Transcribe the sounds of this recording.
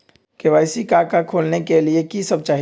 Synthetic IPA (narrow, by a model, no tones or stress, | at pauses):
keʋaːɪsikakakʰoːlnekeliekisəb̚t͡ʃaːɦ